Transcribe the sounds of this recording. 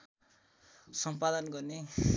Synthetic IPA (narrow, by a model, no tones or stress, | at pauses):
sʌmpad̪ʌnɡʌrne